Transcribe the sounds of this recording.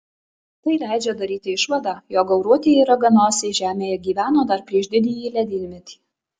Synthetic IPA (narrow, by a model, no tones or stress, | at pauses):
t̪ɐɪlʲæˑɪd͡ʒʲɛd̪ɐɾʲiːt̪ʲɪɪʃʋɐd̪ɑːjoːɡɐʊɾuɔt̪ʲejiːɾɐɡɐnoːsʲeʒʲæːmʲeːjɛɡʲiːʋʲæːnoːd̪ɐɾpʲɾʲiɛʒd̪ʲɪd̪ʲijiːlʲɛd̪ʲɪlʲmʲɛt̪ʲi̥ː